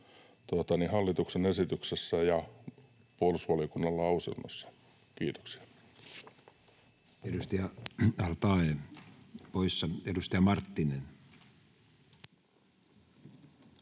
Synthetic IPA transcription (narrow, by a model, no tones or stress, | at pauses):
t̪oɑt̪ɑnihɑlːit̪uksenesit̪yksesːæjɑ | puolusʋɑlijokunːɑlːɑɑusḭlmɑ̰sːɑ̥ | kiːt̪o̥ksi̥ɑ̥ | eɾust̪ɑjɑɑrt̪ɑe | poisːɑedust̪ɑjɑmɑrt̪ːinen